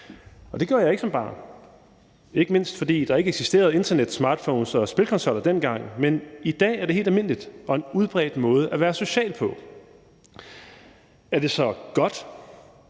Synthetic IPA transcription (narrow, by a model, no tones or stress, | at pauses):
ɒ̽d̥e̝̥joɐ̰jɑ̈eɡ̥ə̥sɒ̽mb̥ɑ̈ːn | e̝ɡ̥əme̝n̰sd̥fɒ̽d̥ḭːd̥ɑ̈æeɡəeɡsisd̥e̝̰ːɐðˠe̝nd̥ɐned̥smɑ̈ːd̥fɔʊnsɒ̽sb̥e̝lkʰɒ̽nsɒ̽l̰ɐd̥en̰ɡ̥ɑ̈ŋ̰menid̥ɛ̰ːæɐɾ̥ehe̝ːldælme̝n̰lid̥ɒ̽e̝nuð̞ˠb̥ʁɛ̰ːd̥mɔ̽ːð̞ˠəʔæʋæːɐso̝ɕɛ̰ːlpʰɒ̽ | æɐd̥e̝sɒ̽ɡ̥ɒ̽d̥